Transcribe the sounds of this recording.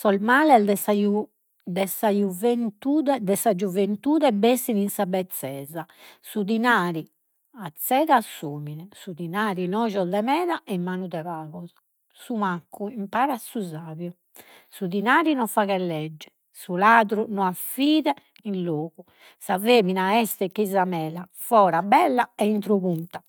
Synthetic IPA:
sɔlmaːlɛd̪ɛsaju | d̪ɛsajuvent̪uːðɛd̪ɛsad͡ʒuvent̪uːðɛbesininsabɛt̪sːɛːza | sud̪inaːɾi | at̪sːɛðasːuːminɛsud̪inaːɾinɔːʒɔd̪ɛmɛːðaʔɛmːaːnuðɛβaːɣɔzɔ̥ | sumakːuimpaːɾasuzaːβju | suðinaːɾinɔfaɣɛlːɛd͡ʒːɛ̥ | sulaːðɾunɔafiːðɛ | inloːɣu | saveːminaɛst̪ɛkizamɛːla | fɔːɾabɛlːaɛint̪ɾoβunt̪a

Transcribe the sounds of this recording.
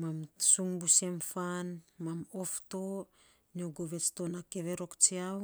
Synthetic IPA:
mamsuŋbusemfanmamofto | nioɡoβe̞t͡ʃtonakeβeɾo̞kt͡ʃiaw

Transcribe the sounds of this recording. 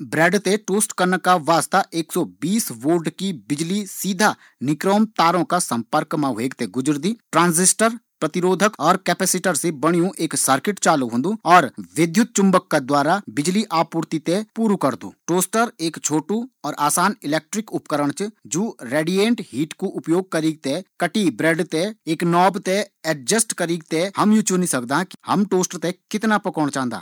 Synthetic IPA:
bɾɛːɖt̪eʈoːsʈkəɾnəkaʋaːst̪aʔeːksɔːbiːsʋoːɾɖkibɪd͡ʒlisiːd̪ʱa | nɪkɾoːmt̪aːɾõkasɐ̃mpəɾkmãɦeːɡt̪eɡʊd͡ʒɾd̪iːʈɾãːnzɪsʈəɾpɾɐt̪ɪɾoːd̪ʱəkɔːɾkɛːpɛːsɪʈəɾsebəɽ̃ijũʔeːksəɾkɪʈt͡ʃaːluɦõːnd̪uɔːɾʋɪd̪ʱjʊt̪̚t͡ʃʊ̃mbəkːad̪waːɾabɪd͡ʒliʔaːpːuːɾt̪it̪ẽpuːɾukəɾd̪ṵːʈoːsʈəɾeːkt͡ʃʰoːʈuɔːɾʔaːsaːnɪleːk̚ʈɾɪkʊpkəɾəɽ̃t͡ʃd͡ʒoːɾeːɖijẽːɳʈɦiːʈkoʔʊpjoːɡ̚kəɾiːɡ̚t̪ekɐʈibɾeːɖt̪eeːknɔːbt̪eɛʈ̚d͡ʒəsʈkəɾiːɡt̪ehɐmjut͡ʃunĩsɐk̚d̪aki̥hɐmʈoːsʈɾt̪ekɪt̪napɐkɔːɽ̃t͡ʃãːnd̪a̰ː

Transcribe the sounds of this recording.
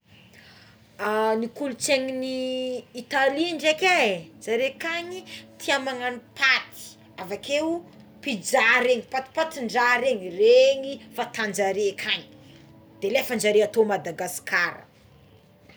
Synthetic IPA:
anikulut͡seŋiniː | t̪aliɳɖ͡ʐekad͡zaɾekaɲit̪ʰiamaŋanipat̪i̥ | avake | pid͡zaɾeŋipat̪i̥pat̪iɳɖ͡ʐaɾeŋireŋifat̪and͡ʒaɾekʰaɲi̥ | d̪̥elefand͡ʒaɾeat̪omad̪aɡaskʰaɾə̰

